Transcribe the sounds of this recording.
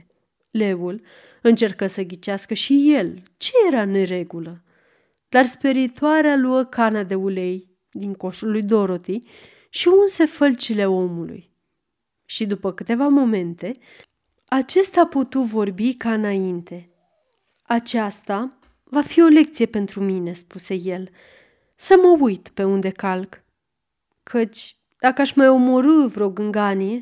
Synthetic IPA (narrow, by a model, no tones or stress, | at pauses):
le̞ul | ɨnt͡ʃe̞rkəsəɡʲit͡ʃaskəʃije̞l | t͡ʃe̞je̞ɾane̞ɾe̞ɡulə | d̪arspiɾit̪uaɾealuəkʰanad̪e̞ule̞j | d̪iŋko̞ʃulujd̪o̞ɾo̞t̪i | ʃiunse̞fəlt͡ʃile̞o̞mulṵj | ʃid̪upəkɨt̪e̞vamo̞me̞nt̪e̞ | at͡ʃe̞st̪aput̪ut̪vo̞rbikaɨnaint̪e̞ | at͡ʃast̪a | vafio̞le̞k̚t̪sije̞pe̞nt̪ɾumine̞spuse̞je̞l | səməujt̪pe̞und̪e̞kalk | kʰət͡ʃʲ | d̪̥akəaʃmajo̞moɾɨvɾeoɡɨŋɡanije̞